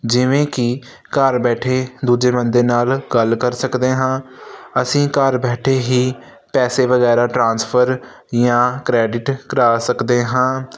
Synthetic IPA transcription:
d͡ʒɪʋẽːkɪ | kaːɾbɛːʈʰeːd̪uːd͡ʒeːmənd̪eːnaːlɡəlkəɾsəkd̪eːɦãːəsĩːkaːɾbɛːʈʰeːɦiː | pɛːseːʋəɣɛːɾaːʈɾãːnspʰəɾ | jãːkɾɛːɖɪʈkəɾaːsəkd̪eːɦãː

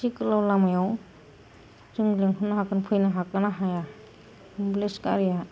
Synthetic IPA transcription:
sikɯlawlamajaw | zɯŋleŋɦɯnːaɦakɯnpʰɯjnaɦakɯnaɦaja | mbleska̰ɾija

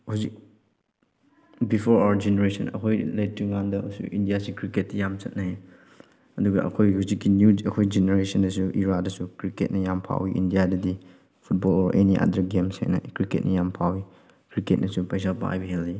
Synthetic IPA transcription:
hawzik̚ | bipʰoɾawɐɾd͡ʒeneɾesɐnɐ̰kʰojlet̚ːuŋandɐsṵʔindijasikɾiket̚ːɐjamt͡ʃɐt̚nɐe | ɐduɡɐʔɐ̰kʰojhuzikːinjuɐkʰojd͡ʒeneɾesɐndɐsuʔiɾadɐsukɾiket̚nɐjampʰa̰wiʔḭndijadɐdi | pʰut̚bɔlɔɾʔeniʔa̰dɐɾɡemshḛknɐ̰kɾiket̚nɐjampʰawi | kɾiket̚nɐsupajs̬alpɐa̰jbiɦeli

